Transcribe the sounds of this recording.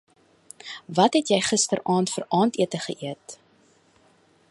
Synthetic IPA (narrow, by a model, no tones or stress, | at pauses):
vɐtɦɛtjɛjχəstərʔɑːntfərʔɑːntiətəχəʔiət